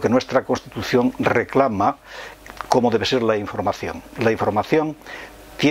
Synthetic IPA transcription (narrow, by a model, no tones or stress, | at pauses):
kenwest̪ɾako̞nst̪it̪uθjo̞ŋreklama | ko̞moðeβeseɾlaiɱfo̞ɾmaθjo̰ŋlaiɱfo̞ɾmaθjõŋ | t̪je